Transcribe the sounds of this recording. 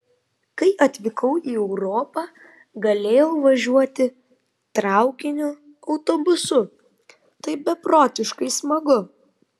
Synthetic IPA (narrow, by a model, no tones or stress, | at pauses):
kɐɪʔɐt̪ʲʋʲɪkɐʊiːɛʊɾoːpɑː | ɡɐlʲeːjɛʊʋɐʒʲuɔt̪ʲɪ | t̪ɾɑˑʊkʲɪnʲʊ | ɒʊt̪oːbʊsʊ | t̪ɐɪbʲɛpɾoːt̪ʲɪʃkɐɪsmɐɡʊ